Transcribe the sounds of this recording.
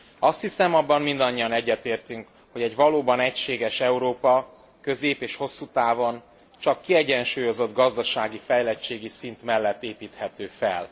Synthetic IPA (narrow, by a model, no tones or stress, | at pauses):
ɒst̪hisɛmɒbːɒmmind̪ɒɲːiɒnɛɟːɛt̪eːrt̪yŋk | ho̞ɟɛɟʋɒloːbɒnɛcʃeːɡɛʃɛuɾoːpɒ | kø̞zeːpeːʃho̞sːut̪aːvo̞n | t͡ʃɒkːiɛɟɛnʃuːjo̞zo̞d̪ɡɒzd̪ɒʃaːɡifɛjlɛt͡ʃeːɡisint̪mɛlːɛt̪ːeːpiːt̪hɛt̪øːfɛ̰l